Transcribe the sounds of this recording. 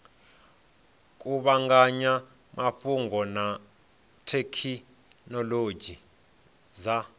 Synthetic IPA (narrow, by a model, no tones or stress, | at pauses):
kʼuɓaŋɡaɲa | maɸuŋɡɔna | tʰekʰi | nɔlod͡ʒʱi | za